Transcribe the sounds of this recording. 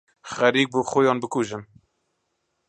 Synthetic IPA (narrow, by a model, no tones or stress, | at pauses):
xɛɾiːk̚buːxʊjɑːnbɨkuːʒɨm